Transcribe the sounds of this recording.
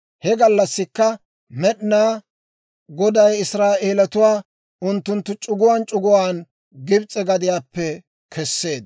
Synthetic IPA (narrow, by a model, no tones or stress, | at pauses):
hɛɡɐlːɐsːɪkːɐ | mɛɗɪnaː | ɡɔd̪ɐjɪsɾaːʔeːlɐt̪ʊwaː | ʔʊnt̪ːʊnt̪ːʊt͡ʃʼʊɡʊwaːnt͡ʃʼʊɡʊwaːn | ɡɪbt͡sʼːɛɡɐd̪ɪjaːpːɛ | kʰɛsːe̞ːd̪̚